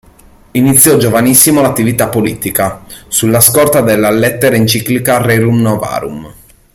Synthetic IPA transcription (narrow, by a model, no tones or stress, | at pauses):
init̪sːjɔd͡ʒovanisːimolat̪ːivit̪apːoliːt̪ikasulːaskɔrt̪ad̪elːalɛt̪ːeɾaint͡ʃiklikareɾumnɔva̰ːɾṵm